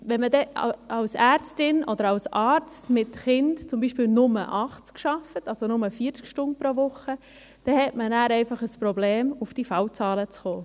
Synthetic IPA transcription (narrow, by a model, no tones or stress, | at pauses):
ʋɛnmədɛ̰ɑwsæːɾt͡stɪnʔɔd̥̪əɾɑwsɑːɾt͡stmɪtχɪndt͡sʊmbiːʃpiːlnʊmə̰ʔɑχt͡skʃɑfətɑlsonʊməfiːəɾt͡skʃtʊnt̚pɾoʋʊχə | d̥ɛhɛtmənæːɾɛɪfɑχəspɾobleːmufd̥ifɑwt͡sɑːlət͡sχoː